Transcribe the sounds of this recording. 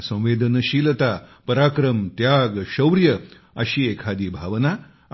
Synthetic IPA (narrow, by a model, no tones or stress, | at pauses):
sə̃w̃ʋeːd̪ənəɕiːlət̪apəɾakɾəmt̪jaɡɕɐwɾjə | əɕiːekʰad̪iːbʱaʋna